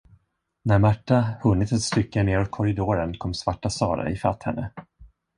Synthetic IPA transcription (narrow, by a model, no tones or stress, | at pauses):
næɾmaʈːahɵnːɪt̪ɛt̪st̪ʏkːəneːɾɔt̪̚kʰɔɾɪd̪oːɾənkʰɔmːsvaʈːasɑ̰ːɾa̰ɪfat̪hɛnːə